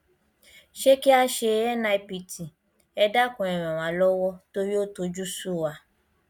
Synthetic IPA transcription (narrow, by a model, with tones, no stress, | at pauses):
ʃe˦ki˦a˧˦ʃe˧ɛ˦nã˧i˦pi˨˧ti˨ | ɛ˧da˦kɔ̃˨ɛ̃˨ɾ̃ɛ̃˨w̃ã˨˦lɔ˦wɔ˦to˦ɾi˦o˦to˧d͡ʒu˦su˦˨wa˧